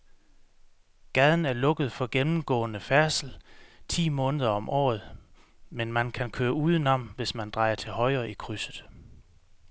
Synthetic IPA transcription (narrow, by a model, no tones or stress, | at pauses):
ɡ̥ɛːð̞ˠn̩æɐlɔ̽ɡ̥ð̞̩ˠfɒ̽ɡ̥enm̩ɡ̥ɔ̰̽ːnəfæɐsl̩t͡sʰḭːmɔ̽ːnəð̞ˠɐɒ̽mʔɒ̰ːð̞̩ˠmenmænkʰænkʰøːɐuːðˠənɒ̽m̰ʋe̝smænd̥ʁɑ̈ɪɐt͡sʰe̝lɦɒ̽ɪɐːʔikʰʁysð̩ˠ